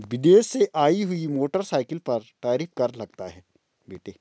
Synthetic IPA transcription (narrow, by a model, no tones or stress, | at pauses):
ʋɪd̪eːʃeʔaːiɦʊimoːʈəɾsaːɪkəlpɐɾʈaːɾiːfkɐɾlɐɡ̚t̪aɦɛː | beːʈeː